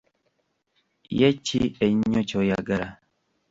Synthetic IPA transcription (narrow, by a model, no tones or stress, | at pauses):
jɛt͡ʃːiɛɲːot͡ʃojaɡɐɾa